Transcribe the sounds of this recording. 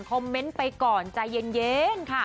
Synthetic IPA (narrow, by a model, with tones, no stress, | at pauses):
ŋkʰo˧mːe˦˥npa˧jkɔː˨˩nt͡ɕa˨˧je˧njeː˦˥nkʰa˥˩